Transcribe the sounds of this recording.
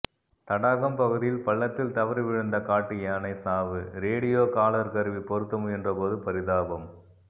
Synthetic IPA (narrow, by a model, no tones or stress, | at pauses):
t̪ɐɽaːɣɐmpɐɣɯðɪjɪlpɐɭːɐt̪ːɪlt̪ɐʋɐɾʋɪɻɯnd̪ɐkaːʈːɯjaːnɐɪsaːʋɯɾeːɽɪjoːkaːlɐɾkɐɾɯʋipɔɾɯt̪ːɐmɯɛndrɐpoːðɯpɐɾɪðaːʋɐm